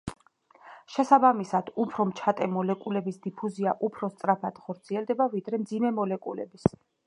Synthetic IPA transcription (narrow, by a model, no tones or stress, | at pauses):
ʃɛsabamisad̪̥upʰɾɔmt͡ʃʰat̪ʼɛmɔlɛkʼulɛbisd̪ipʰuziaʔupʰɾɔst̪sʼɾapʰad̪̥χɔɾt̪sʰiɛlˠd̪ɛbavid̪ɾɛmd̪zimɛmɔlɛkʼulɛ̰bis